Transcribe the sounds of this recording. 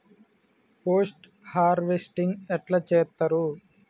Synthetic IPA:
poːsʈ | haːɾʋesʈiŋɡɛʈlat͡ʃɛːt̪ːɐɾu

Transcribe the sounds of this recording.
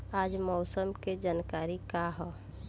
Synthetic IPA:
aːd͡ʒmɔːsəmked͡ʒaːnkaːɾikaɦɔː

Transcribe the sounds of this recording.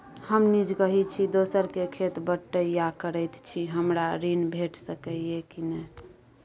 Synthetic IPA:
həmnid͡ʒɡəɦit͡ʃʰid̪osəɾkekʰet̪bəʈːəijakəɾəjt̪t͡ʃʰiɦəmɾaɾinbʱeʈsəkəiekinɛ

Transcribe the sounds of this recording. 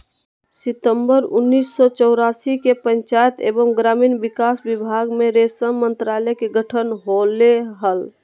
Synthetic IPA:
sɪt̪əmbəɾʊnːiːsːɔt͡ʃɔʊɾasikepə̃nt͡ʃajət̪ḛːbəmɡɾamiːnbikasbibʱaɡmeɾesəmmə̃nt̪ɾalɛkeɡʱəʈʰənɦoleɦəl

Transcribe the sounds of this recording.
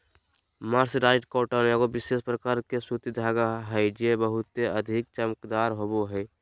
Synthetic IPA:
maːɾsɾaːɪʈkoːʈaneəɡobɪsespɾəkaːɾkesut̪id̪ʱaːɡaɦɛd͡ʒebəɦʊt̪eəd̪ʱik̚t͡ʃəməkd̪aːɾɦoboɦɛ

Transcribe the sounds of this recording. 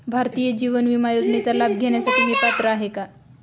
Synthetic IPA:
bʱaɾt̪ijed͡ʑiʋənʋimajod͡znet͡salabɡʱeɳ̃jasaʈʰiːʋip̪at̪ɾəaɦeka

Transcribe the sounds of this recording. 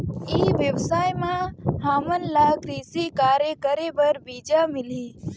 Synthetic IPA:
iːʋjəʋsaːjmãɦaːmənlaːkɾiːsikaːɾekəɾebəɾbiːd͡ʒaːmɪliː

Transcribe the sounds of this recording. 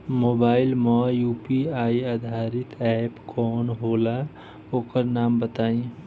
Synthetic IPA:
moːbaːɪlmɔjuːpiaiad̪ʱaɾɪt̪ɛpkɔːnɦola | okəɾnaːmbət̪aːĩ

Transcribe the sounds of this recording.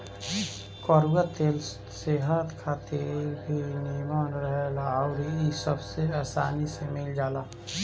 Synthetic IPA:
kɔɾɡət̪eːl | seɦət̪kʰaːt̪ebʱinimaːnɾəɦelaɔːɾɦiisəbseaːsaːnisemɪld͡ʒaːlaː

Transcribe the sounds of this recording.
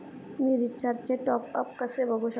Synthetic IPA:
miɾit͡ʃaɾt͡ʃeʈɔːp̚ɐp̚kɐsebʱɐɡoʃ

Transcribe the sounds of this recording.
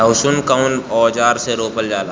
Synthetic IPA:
ʊsunkaʊnɔːd͡ʒaːɾseɾoːpəld͡ʒaːlaː

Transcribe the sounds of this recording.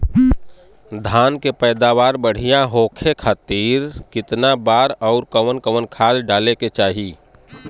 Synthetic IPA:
d̪ʱaːnkepɛːd̪aːʋaːɾbəɽ̤ijãɦoːkʰekʰaːt̪iːɾkɪt̪nabaːɾɔʊɾkəʋənkəʋənkʰaːlɖaːleket͡ʃaːɦi

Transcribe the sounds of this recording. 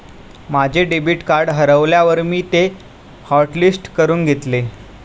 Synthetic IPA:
mad͡ʑʱeɖebiːʈkaɾɖɦəɾəʋljaʋəɾmiːt̪e | hɔɾʈlisʈkəɾuːnɡʱet̪le

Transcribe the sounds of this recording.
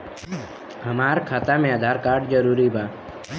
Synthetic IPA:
ɦəmaːɾkʰaːt̪amẽəd̪ʱaːɾkaːɾɖd͡ʒəɾuːɾibaː

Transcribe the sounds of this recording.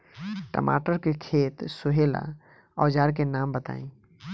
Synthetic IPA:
ʈə̰ma̰ːʈəɾkekʰeːt̪sʊɦeːla̰ | ɔːd͡ʒaːɾk̬enaːmbət̪a̰ːĩː

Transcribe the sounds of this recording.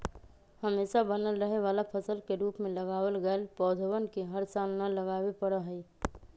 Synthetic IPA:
həmeːʃabənəlɾəɦeʋaːlapʰəsəlkeɾuːpmẽləɡaːwəlɡəlpɔːd̪ʱəwənkeɦəɾsaːlnələɡaːwepəɽəɦəi

